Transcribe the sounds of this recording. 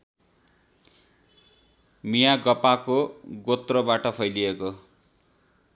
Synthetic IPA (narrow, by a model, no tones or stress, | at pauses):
mijaɡʌpakoɡot̪rʌbaʈʌpʰʌjlieko